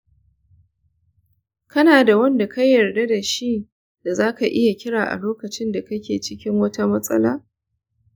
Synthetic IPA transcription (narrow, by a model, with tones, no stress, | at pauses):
kɐ˦naː˨da˨wɐ˦nda˨kɐ˦jːɐ˨rda˦da˨ʃi˦ | d̥a˨zaː˦ka˨ʔɪ˦ja˨kʲɪ˦ɽaː˨ʔa̰˨loː˦kɐ˨t͡ʃɪ˦nda˨kɐ˦kʲeː˨t͡ʃɪ˦kʲɪ˦ŋwɐ˦ta˦mɐ˦sʼɐ̰˦laː˦